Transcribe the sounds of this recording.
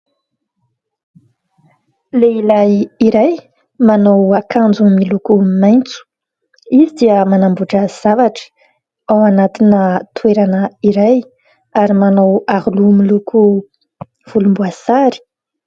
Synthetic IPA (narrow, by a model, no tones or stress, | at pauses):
leilajiɾaj | manowakand͡zumilukumajnt͡su̥ | izid̪iəmanambuʈ͡ʂəz̥avaʈ͡ʂə̥ | awanat̪inət̪ueɾanəiɾaj | aɾimanawaɾulumiluku | v̥ulumbuaz̥aɾi̥